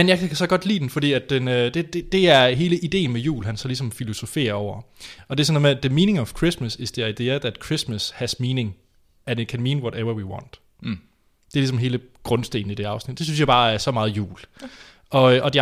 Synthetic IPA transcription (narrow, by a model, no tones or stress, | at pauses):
enjɑkʰækʰæsɒ̽ɡ̥ɒ̽d̥lḭːd̥en̩fɒ̽d̥ḭːæd̥̚enød̥ed̥ed̥e̝æɐɦe̝ːləʔid̥e̝̰ːn̩mejṵːlɦænsɒ̽lisɒ̽mfilo̝so̝fe̝̰ːɐɒʊ̰ɐɒ̽d̥e̝ɐsnmed̥əmiːnɪ̝ŋɒʋ̥kʰʁismæse̝sd̥e̝ɑ̈ɪd̥e̝̰ːɐðæd̥kʰʁismæshæsmiːnɪ̝ŋ | ænekʰænmiːnwɒɾeʋɐwiwɒ̰̃ːn̰d̥ | d̥e̝ɐlisɒ̽mɦe̝ːləɡ̥ʁɔ̽nsd̥e̝̰ːn̩id̥e̝ɑ̈ʊsnid̥d̥e̝s̬ynsjɑ̈b̥ɑ̈ːæɐsɒ̽mɑ̈ːð̩ˠjṵːl | ʔɒ̽øʔɒd̥i